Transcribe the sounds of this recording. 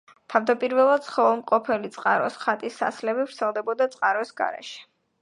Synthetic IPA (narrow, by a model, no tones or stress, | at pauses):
t̪ʰavd̪apʼiɾvɛlˠad̪sʰχɔvɛlˠmqʼɔpʰɛlit̪sʼqʼaɾɔsχat̪ʼisːa̰slɛbivɾt̪sʰɛlˠd̪ɛbɔd̪at̪sʼqʼaɾɔsɡa̰ɾɛ̰ʃɛ̥